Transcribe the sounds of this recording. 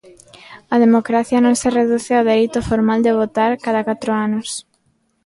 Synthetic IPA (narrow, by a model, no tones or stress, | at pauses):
ɐðemokɾaθjɐnõŋsɪreðuθeawðeɾit̪ʊfoɾmald̪ɪβ̞ot̪aɾkaðakat̪ɾʊanʊs